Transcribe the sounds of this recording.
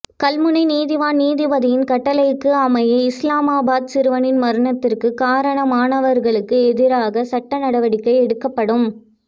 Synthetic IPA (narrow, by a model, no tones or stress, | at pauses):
kɐlmɯnɐɪniːðɪʋaːnniːðɪʋɐðɪjɪnkɐʈːɐlɐɪɯkːɯɐmɐjɐɪslaːmaːbaːd̪̚sɪɾɯʋɐnɪnmɐɾɯɳɐt̪ːɪrkɯkaːɾɐɳɐmaːɳɐʋɐɾɣɐɭɯkːɯɛðɪɾaːɣɐsɐʈːɐnɐɽɐʋɐɽɪkːɐɪɛɽɯkːɐpːɐɽɯm